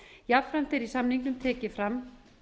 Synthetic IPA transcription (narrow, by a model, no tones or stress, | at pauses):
japfɾam̥t̪ɪɾisamniŋknʏmt̪ʰɛːcɪfɾamː